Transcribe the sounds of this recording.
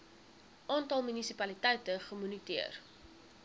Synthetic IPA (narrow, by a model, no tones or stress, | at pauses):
ʔɑːntɐlˠmynisipɐlitɛjtəχəmynitiər